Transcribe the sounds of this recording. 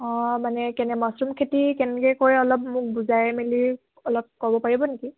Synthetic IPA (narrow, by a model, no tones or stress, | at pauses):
ɔ̃manɛkɛnɛmɔsɹumkʰetikɛnɛkɛkoɹɛɔlɔp̚mʊk̚buzaɹɛmeli | ɔlɔp̚kɔbɔpaɹibɔneki